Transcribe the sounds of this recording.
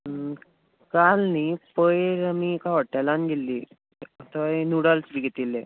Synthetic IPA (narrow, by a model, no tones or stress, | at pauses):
kalniːpəjɾamikaʋəɽʈajlanɡelːiː | ət̪əjnuɽəlsbiɡʱet̪ilːe